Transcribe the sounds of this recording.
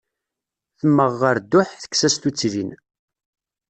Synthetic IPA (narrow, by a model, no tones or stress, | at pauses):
θəmːəʁːəɾd̪ːʊħθə̥ksæst̪ut͡sːɾin